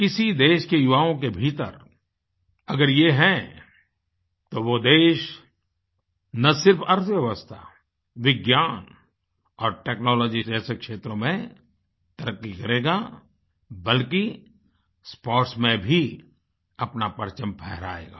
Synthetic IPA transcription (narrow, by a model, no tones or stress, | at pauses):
kɪsid̪eːʃkejʊʋaːõk̬ebʱiːt̪ə̰ɾ | ɐɡəɾjeɦɛ̃ | t̪oʋod̪eːʃ | nɐsɪɾfɐɾt̪ʰəʋjɛʋəst̪ʰa̰ | ʋɪɡjaːn | ɔːɾʈeːknɔːlɔːd͡ʒid͡ʒɛːsekʃeːt̪ɾõmẽ | t̪ɐɾəkːikɐɾeːɡa | bɐlki | spɔːɾʈsmẽbʱi | ɐpnapɐɾt͡ʃə̃mpʰɛɦɾa̰ːḛːɡa̰ː